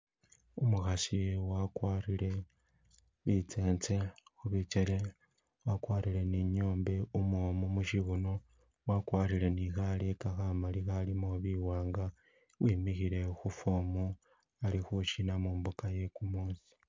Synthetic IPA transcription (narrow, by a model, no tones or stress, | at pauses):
umuxasiwakwaːɾile̞ | βit͡se̞ːnt͡se̞xuβit͡ʃeɾe̞ | wakwaːɾile̞niɲoːmbe̞umomumuʃiβuno̞ | wakwaːɾile̞nixalekaxamalixalimoβiwaːŋɡa | wiːmixiɾe̞xufoːmu | alixuʃinamuːmbukaje̞kumuːnsi̥